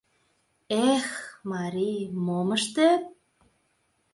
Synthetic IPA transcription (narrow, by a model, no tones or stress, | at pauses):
exmɑɾimomə̆ʃt̪e